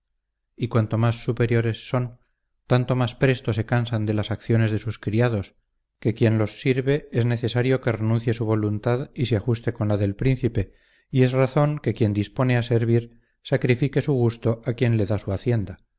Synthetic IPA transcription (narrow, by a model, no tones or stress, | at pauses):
ikwant̪o̞masːupe̞ɾjo̞ɾesːo̞n | t̪ant̪o̞maspɾe̞st̪o̞se̞kansand̪e̞lasakθjo̞ne̞zðe̞suskɾiað̞o̞s | ke̞kje̞nlo̞sːiɾβe̞ezne̞θe̞saɾjo̞ke̞re̞nũnθje̞suβ̞o̞lunt̪aðiseaxust̪e̞ko̞nlaðe̞lpɾinθipe̞ | ie̞zraθo̞ŋke̞kje̞nd̪ispo̞ne̞ase̞ɾβ̞iɾ | sakɾifike̞suɣ̞ust̪o̞ʔakje̞nle̞ðasuaθje̞nd̪a